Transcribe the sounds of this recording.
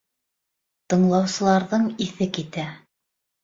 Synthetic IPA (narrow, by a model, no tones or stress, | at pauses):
t̪ɤ̆ɴlˠɑwsɤ̆lˠɑɾðɤɴiθɘkit̪æ